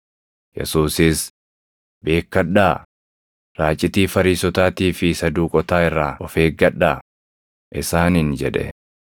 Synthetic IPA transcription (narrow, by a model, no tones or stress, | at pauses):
jɛ̰suːsɪs | be̞ːkːɐᶑːaː | ɾaːt͡ʃʼːɪt̪iːfɐɾiːsɔt̪aːt̪iːfɪsɐd̪uːkʼɔt̪aːɪrːaːɔfeːɡɐᶑaː | ʔɪsaːnɪnd͡ʒɛᶑɛ̰